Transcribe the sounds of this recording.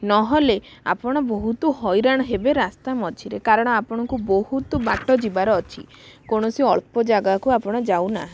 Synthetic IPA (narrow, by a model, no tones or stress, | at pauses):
nɔɦɔle | a̰pɔɽ̃ɔbɔɦut̪uɦɔjɾaɽ̃ɔɦebeɾast̪amɔt͡ʃʰiɾekaɾɔɽ̃ɔapɔɽ̃ɔŋkubɔhut̪ubaʈɔd͡ʒibaɾɔːt͡ʃʰḭ | koɽ̃ɔsiɔɭpɔd͡ʒaɡakuapɔɽ̃ɔd͡ʒawna